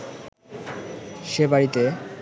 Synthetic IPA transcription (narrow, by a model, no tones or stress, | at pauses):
ʃebaɾit̪e